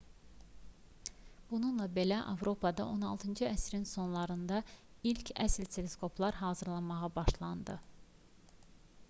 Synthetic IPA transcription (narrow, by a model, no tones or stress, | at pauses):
b̥ununlˠɑbe̞læʔɑ̰vɾo̞pʰɑd̪ɑo̞nɑlˠt̪ʰɯnd͡ʒɯæsɾinso̞nlˠɑɾɯnd̪ɑilcʰæ̰slt̪ʰe̞le̞skʰo̞pʰlˠɑɾɦɑːzɯɾlˠɑmɑʁɑbɑʃlˠɑnd̪ɯ